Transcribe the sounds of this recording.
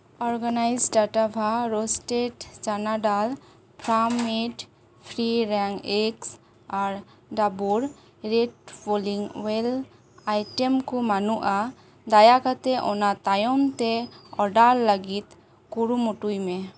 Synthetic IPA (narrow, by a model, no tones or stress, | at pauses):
ɔɾɡanajzɖaʈabʱaɾosʈeʈt͡ʃanaɖal | pʰɾameʈ | pʰɾiɾɛŋɛks | aɾ | ɖabuɾ | ɾeʈpoliŋwel | ajʈɛmkumanuʔa | d̪ajakat̪ɛʔɔnat̪ajɔmt̪ɛɔɖalːəɡit̪ | kuɾumuʈujmɛ̃